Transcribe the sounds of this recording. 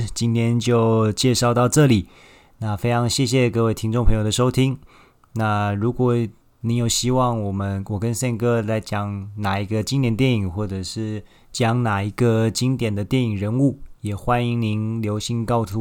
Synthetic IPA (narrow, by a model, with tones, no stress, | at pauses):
t͡ɕi˥nt̪ʰjɛ˥nt͡ɕjo˥˧ʊt͡ɕjɛ˥˧ʂɑ˥˧ʊt̪ɑ˥˧ʊʈ͡ʂɤ˥˩li˨˩˦ | na˥˩fe˥ɪʈ͡ʂʰɑ˧˥ŋɕjɛ˥˧ɕ̬jɛ˥˧kɤ˥˧we˥˩ɪt̪ʰi˥ŋʈ͡ʂŋpʰɤ˧˥ŋjo˨˩ʊd̪ə˩ʂo˥ʊt̪ʰi˥ŋ | na˥˩ɻu˧˥kwɔ˨˩ | ni˧˥njo˨˩ʊɕi˥wɑ˥˩ŋwɔ˨˩mə˦nwɔ˨˩kə˦nsɛ˥˩ŋkɤ˥la˧˥ɪt͡ɕjɑ˥ŋna˨˩i˧˥ɡə˧t͡ɕi˥ŋt̪jɛ˨˩nt̪jɛ˥˩ni˨˩ŋxwɔ˥˩ʈ͡ʂɤ˨˩ʂɻ̩˥˩ | t͡ɕjɑ˥˩ŋna˨˩i˧˥ɡə˧t͡ɕi˥nt̪jɛ˨˩nd̪ə˦t̪jɛ˥˩ni˨˩ŋɻə˧˥nu˥˩jɛ˨˩xwa˥ni˧˥ŋni˧˥nljo˧˥ʊɕi˧˥ŋkɑ˥˧ʊtʰu˧˥